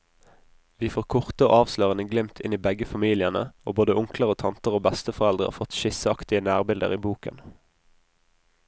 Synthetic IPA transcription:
ʋiːfoːʁkʰʊʁt̪əo̰ːɑːʋsløːʁənəɡlɪmt̪ʰɪniːbɛɡəfɑmiːlɪənə̰o̰ːboːd̪əʊŋkləʁoːt̪ʰɑnt̪əʁoːbɛst̪əfɔʁɛld̪ʁəɑ̰fɔt̪ʃɪsəɑkt̪ɪənæːʁbɪld̪ə̰ʁiːbuːkə̰n

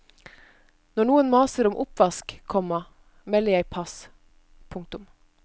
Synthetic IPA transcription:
nɔɳuːənmɑːsəɾʊmʔʊpʋɑskkʰːɔmːɑ | mɛlːəjæɪpʰɑs | pʰʊŋkt̪ʊm

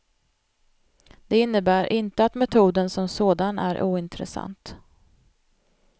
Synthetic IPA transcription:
d̪̥ɛɪnːəbæːɾʔɪnt̪əat̪mɛt̪ʰuːd̪ənsɔmsoːd̪anæ̰ɾʔuːɪnt̪ɾɛ̰sa̰nt̪

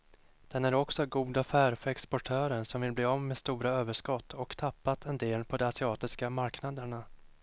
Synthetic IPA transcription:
d̪̥ɛnæɾɔksɔɡuːd̪afæːɾfœɾɛkspɔʈʰøːɾənʂɔmvɪlbleːɔmːeːst̪uːɾaøːvəʂkɔt̪ːɔkt̪ʰapːat̪ʰɛnd̪eːlpʰɔd̪ɛasɪɑːt̪ɪskamaɾknad̪əɳa

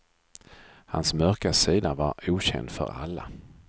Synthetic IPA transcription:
hansmœɾkasiːd̪avaɾuːɕɛ̰nd̪fœ̰ɾa̰lːa

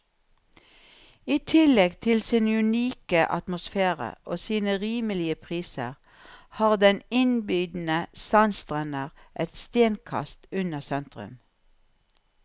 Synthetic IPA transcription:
iːt̪ʰɪlɛɡt̪ʰɪlsɪnʉniːkəʔɑt̪mʊsfeːʁə̰oːsiːnəʁiːməlɪəpʰʁiːsə̰ʁ | hɑːʁd̪ɛnɪnbyːd̪n̩əsɑnst̪ʁɛnəʁʔɛt̪st̪eːnkʰɑ̰st̪ʉnəsɛnt̪ʁʉ̰m

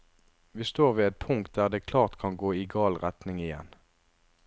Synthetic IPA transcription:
ʋiːst̪oːʁʋiːɛt̪̚pʰʊŋkt̪̚d̪æːʁd̪eːkʰlɑːʁt̪kʰɑnɡoːiɡɑːlʁɛt̪nɪŋɪjɛ̰n

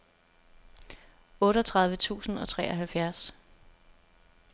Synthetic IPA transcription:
ɔ̽ːɾəɒt͡sʰʁɑ̈ð̞ˠʋət͡sʰṵːsn̩ɒ̽t͡sʰʁɛ̰ːɐɦælfjæɐs

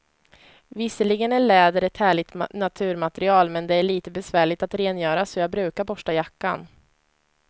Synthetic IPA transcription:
vɪsːəɭɪɡənæɭɛːd̪əɾɛt̪hæːɭɪɡ̚t̪nat̪ʰʉ̟ːɾmat̪ɛɾɪɑːlmɛnd̪ɛæɭiːt̪əbɛsvæːɭɪt̪at̪ɾeːnjœːɾasɔjɑːɡbɾʉ̟ːkaɾbɔʂajakːa̰n

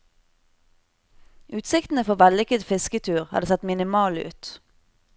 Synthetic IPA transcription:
ʔʉːt̪sɪkt̪n̩əfɔʋælʏkəd̪fɪskət̪ʰʉːʁhɑ̰ːd̪eːsɛt̪mɪnɪmɑːlʉ̰ːt̪

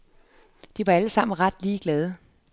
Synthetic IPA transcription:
d̥iʋɑ̈æləsɑ̈m̰n̩ʁɑ̈d̥liːɡ̥lɛːð̞ˠə

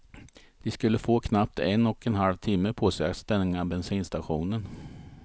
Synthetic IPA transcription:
vɪskɵlːəfoːkʰnap̚t̪ɛnɔkɛnɦalvt̪ʰɪmːəpʰoːsɛa̰st̪ɛnːɪŋabɛnsiːnst̪aɧuːnən

